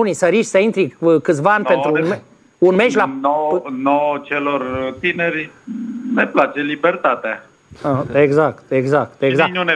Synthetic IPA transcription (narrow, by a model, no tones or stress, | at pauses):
unisəɾiʃʲsəint̪ɾikɨt̪svaanʲtpenun | unmeʃlanonot͡ʃelort̪ineɾimeplat͡ʃelibert̪at̪ea | eɡzakt̪eɡzak̚t̪ezaknun